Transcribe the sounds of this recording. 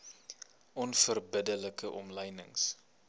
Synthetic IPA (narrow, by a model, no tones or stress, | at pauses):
ʔɔnfərbədələkəʔɔmləjnəŋs